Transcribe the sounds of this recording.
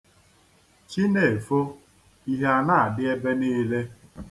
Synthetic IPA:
t͡ʃi˦ne˨e˨fo˦ | i˦ɦe˦a˨na˦a˨dɪ˦e˦be˦niː˦le˦

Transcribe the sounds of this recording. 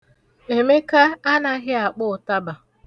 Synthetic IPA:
e˨me˦ka˦a˦na˦ɦɪ˦a˨k͡pʊ˦ʊ˨ta˦ba˨

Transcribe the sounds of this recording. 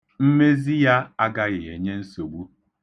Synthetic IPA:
m̩˦me˦zi˦ja˦a˦ɡa˦ɣɪ˨e˨ɲe˦n̩˦so˨ɡ͡bu˦

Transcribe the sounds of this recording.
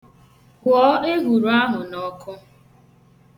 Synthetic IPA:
ɔː˨˦ʔe˦ɦu˨ɾu˨˦a˦ɦʊ˨nɔ˨˦kʰʊ˦

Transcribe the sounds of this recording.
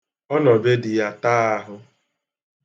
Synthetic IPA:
ɔ˦nɔ˨be˦dɪ˨ja˦taː˦a˦ɦʊ˦

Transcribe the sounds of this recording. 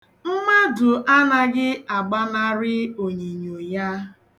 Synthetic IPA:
m̩˦ma˦dʊ˨ʔa˦na˨ɡɪ˦a˨ɡ͡ba˦na˦ɾɪ˦o˨ɲe˨ɲo˨ja˦

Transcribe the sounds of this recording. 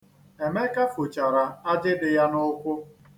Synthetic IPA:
e˨me˦ka˦fʊ˨t͡ʃa˨ɾa˨a˦d͡ʒɪ˦dɪ˨ja˦nʊ˦kʷʊ˦

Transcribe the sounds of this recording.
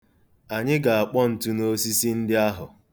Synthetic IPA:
a˨ɲɪ˦ɡa˨a˨k͡pɔ˦n̩˨tu˦no˦s̬i˦si˦n̩˦dɪ˦a˦ɦʊ˨

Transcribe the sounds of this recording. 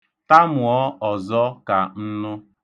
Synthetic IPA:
ta˦mʊ˨ɔ˦ɔ˨zɔ˦ka˨n̩˦nʊ˦

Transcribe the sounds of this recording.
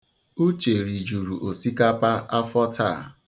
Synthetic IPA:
u˦t͡ʃe˨ɾi˨d͡ʒu˨ɾu˨ʔo˨si˦ka˦pa˦ʔa˦fɔ˦tʰa̰˦˨

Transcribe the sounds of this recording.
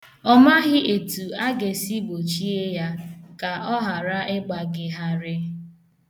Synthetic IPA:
ɔ˦ma˦ɦɪ˦ʔe˨tu˨a˦ɡe˨si˦bo˨t͡ʃi˦e˦ja˦ka˨ʔɔ˦ɦa˨ɾa˦ɪ˦ɡ͡ba˨ɡɪ˨ɦa˨ɾɪ˦

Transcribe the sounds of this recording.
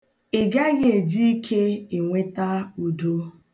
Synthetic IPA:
ɪ˨ɡa˦ɣe˨d͡ʒi˦i˦kʰe˦e˨ŋʷe˦ta˦u˨do˦

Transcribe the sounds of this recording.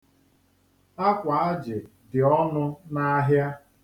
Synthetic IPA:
a˦kʷa˨a˦d͡ʒɪ˨ | dɪ˨ɔ˦nʊ˦na˦ɦja˦

